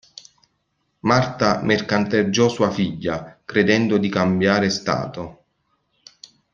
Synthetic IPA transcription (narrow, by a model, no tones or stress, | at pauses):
mart̪amerkant̪ed͡ʒːɔsuːafiʎːakɾed̪ɛnd̪od̪ikambjaːɾest̪a̰ːt̪o